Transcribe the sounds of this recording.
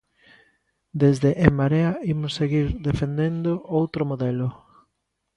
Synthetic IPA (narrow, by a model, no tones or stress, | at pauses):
d̪ezðeʔːmaɾeaimʊseɣiɾðefend̪end̪oʔowt̪ɾomoðɛlʊ